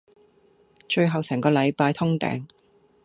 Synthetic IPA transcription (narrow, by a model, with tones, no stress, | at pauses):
t͡ʃɵ˧ɥɦɐ˨wsɛː˨˩ŋkɔː˧lɐ˨˧jpaː˧jt̪ʰʊ˥ŋt̪ɛ̰ː˨˥ŋ